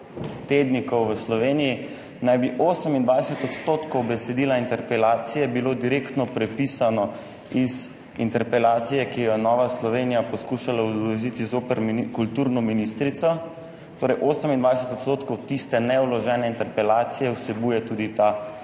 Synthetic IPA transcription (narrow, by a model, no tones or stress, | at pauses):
t̪eːd̪nikɔwʋəslɔʋeːniji | najbiʔoːsəmind̪ʋaːjɛsɛt̪ɔt̪st̪oːt̪kɔwbɛsɛd̪iːlaint̪ɛɾpɛlaːt̪sijɛbiloːd̪iɾeːkt̪nɔpɾɛpisanɔ | iz | int̪ɛɾpɛlaːt̪sijɛkijɔnɔːʋaslɔʋeːnijapɔskuːʃalauzlɔzit̪izoːpəɾmkult̪uːɾnɔminist̪ɾit̪sɔ | t̪oːɾɛjʔoːsəmind̪ʋaːd̪ɛsɛt̪ɔt̪st̪oːt̪kɔwt̪ist̪ɛnɛulɔʒɛːnɛint̪ɛɾpɛlaːt̪sijɛwsɛbuːjɛt̪uːd̪it̪a